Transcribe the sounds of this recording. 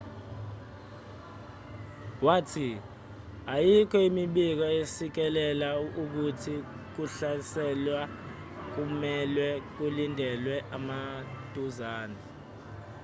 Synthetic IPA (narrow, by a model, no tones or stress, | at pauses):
waːtʰi | ajikʰɔimiɓik̬ɔesik̬ɛlɛlauk̬utʰi | k̬uɬasɛlwa | k̬umɛlwɛk̬ulindʱɛlwɛʔamad̥ʱʼuzaːnɛ